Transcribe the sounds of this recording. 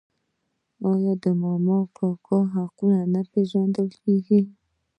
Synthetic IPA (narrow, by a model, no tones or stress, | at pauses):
ɔjɔd̪əmɔmɔkɔkɔɦakunanapezɔ̃nd̪əlkiɡi